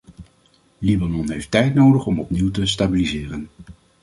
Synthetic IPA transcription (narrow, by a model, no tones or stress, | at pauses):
libanɔnɦejftɛjtnowdəχɔmɔpniwtəstabilizɪːrən